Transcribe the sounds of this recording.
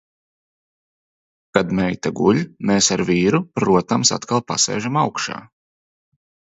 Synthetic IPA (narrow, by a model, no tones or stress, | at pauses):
kad̪mɛjt̪aɡuʎʲmeːsaɾviːɾupɾuɔt̪amsa̰t̪kalˠpa̰sɛ̰ːʒamawkʃa̰ː